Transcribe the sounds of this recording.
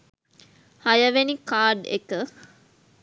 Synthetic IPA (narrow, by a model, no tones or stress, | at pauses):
hɐjɐʋenikaːɖḛkə